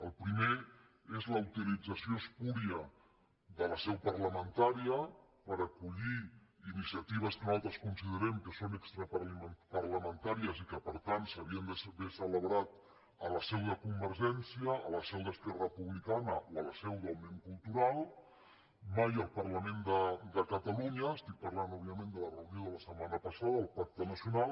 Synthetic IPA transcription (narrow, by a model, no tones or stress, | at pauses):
əlˠpɾime | ezləut̪ilid͡zəsioəskuɾiə | ðələsɛwpəɾləmənt̪aɾiə | pəɾəkuʎiinisiət̪iβ̞əskənalˠt̪ɾəskunsiðəɾɛmkəsonəkst̪ɾəpəɾləmənt̪aɾiəzikəpəɾt̪ant̪səβiənd̪əsβesələβɾat̪ | ələsɛwðəkumbəɾʒɛnsiəːləsɛwðəskɛrəpuβlikanəʔoələsɛwðəwmeŋkulˠt̪uɾalˠ | majəlˠpəɾləmẽnd̪əd̪əkət̪əluɲəːst̪ik̚pərlanɔββiəmẽnd̪ələrəunjoðələsəmanəpəsaðəːlˠpak̚t̪ənəsjunalˠ